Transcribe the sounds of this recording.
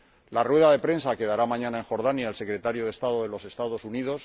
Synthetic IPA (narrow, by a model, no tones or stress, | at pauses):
larwe̞ðaðe̞pɾe̞nsake̞ðaɾamãɲãnae̞ŋxo̞ɾðanjaelse̞kɾe̞t̪aɾjoðest̪aðoðe̞lo̞se̞st̪aðo̞suniðo̞s